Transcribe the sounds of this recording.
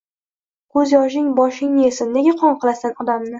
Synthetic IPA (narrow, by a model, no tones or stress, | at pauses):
kɵzjɒʃ̬ɪŋbɒʃɪŋnesɪnːeɡʲaqʰɒɴqʰɨlˠasanɒd̪amnɪ